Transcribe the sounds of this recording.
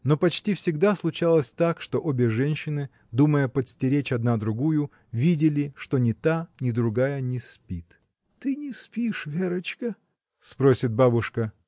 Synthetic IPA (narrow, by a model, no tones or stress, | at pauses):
no̞pɐt͡ɕtʲifsʲɪɡd̪aslˠʊt͡ɕalˠəsʲt̪akʂt̪o̞ʔobʲɪʐɛnʲɕːɪnɨ | d̪uməjəpət̪sʲtʲɪɾʲet͡ɕɐd̪nad̪ɾʊɡujʊ | vʲidʲɪlʲɪʂt̪o̞nʲɪt̪anʲɪd̪ɾʊɡajənʲɪspʲit̪ | t̪ɨnʲɪspʲiʂvʲeɾət͡ɕkə | spɾosʲɪt̪̚babʊʂkə